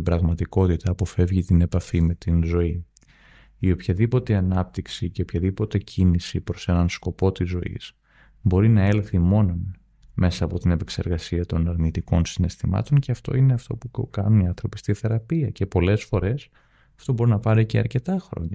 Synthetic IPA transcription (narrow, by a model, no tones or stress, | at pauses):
ibɾɐɣmɐt̪iko̞t̪it̪ɐːpo̞fe̞vʝit̪ine̞pɐfime̞t̪inzo̞i | io̞pçɐðipo̞t̪e̞ɐnɐp̚t̪iksiceopçɐðipo̞t̪e̞cʰinisipɾo̞se̞nɐnsko̞po̞t̪izːo̞ḭs | bo̞ɾinɐe̞lθimo̞non | me̞sɐːpo̞t̪ine̞pe̞kse̞ɾɣɐsiɐt̪o̞nɐɾnit̪iko̞nsine̞st̪imɐ̰t̪o̞nceɐft̪o̞̰ine̞ɐft̪o̞pukɐnuniɐ̃nθɾo̞pi̥st̪iθe̞ɾɐpiɐce̞po̞le̞sfo̞ɾe̞s | ɐft̪o̞bo̞ɾinɐpɐɾicḛɐ̰ɾce̞t̪ɐxɾo̞̰ɲɐ